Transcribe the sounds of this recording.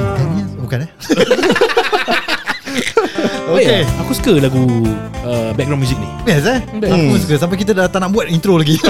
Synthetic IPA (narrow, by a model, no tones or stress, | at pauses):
t̪ɛnibukanɛ | oeeakusu̥kəlaɡuəbɛk̚ɡɾãw̃mjuzik̚nĩ | jɛsɛakusu̥kəs̬ãmpajk̬it̪adat̪aʔnaʔbuat̪̚int̪ɾolaɡi